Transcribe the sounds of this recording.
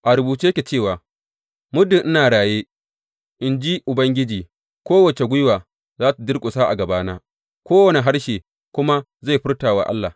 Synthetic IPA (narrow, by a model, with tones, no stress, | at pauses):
ʔa˨ɾʊ˨buː˨t͡ʃi˦kʲe˨t͡ʃeː˦˨waː˨ | mʊ˦dɪ˨nʔɪ˦naː˨ɽaː˨jeː˦ | ʔɪ˨nd͡ʒi˦ʔʊ˨bɐ˦ŋɡʲɪ˦d͡ʒiː˨ | kʷoː˦wɐ˨t͡ʃe˨ɡʷʊ˦waː˨ | zaː˦ta˨dɪ˦rkʷʼʊ˨saː˦ʔa̰˨ɡɐ˨baː˦naː˦ | kʷoː˦wɐ˨ne˨ɦa˦ɽʃeː˨ | kʷʊ˦ma˦ | za˦˨ɸɪ˦rtaː˨wa̰˨ʔa̰˦lːaː˨